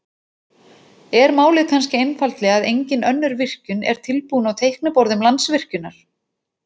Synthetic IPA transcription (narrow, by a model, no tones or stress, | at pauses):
ɛɾmaːwlɪt̪kʰanscɪejnfalt̪lɛɣaðejɲcɪnœnːʏɾvɪr̥cʏnɛ̰ɾ̥t̪ʰɪlpuːnawt̪ʰejhknʏpɔwɾðʏmlant̪svɪr̥cʏnːaɾ̥